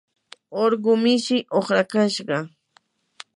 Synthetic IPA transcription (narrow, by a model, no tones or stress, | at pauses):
oɾɢʊmɪʃɪʔoχɾakaʃɢɑ